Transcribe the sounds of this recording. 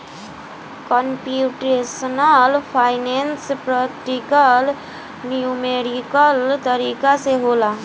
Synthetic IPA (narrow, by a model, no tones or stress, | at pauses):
kəmpjuʈɾesənəlpʰaɪnenspɾəkʈikəl | nijumeɾikəlt̪əɾikaseɦola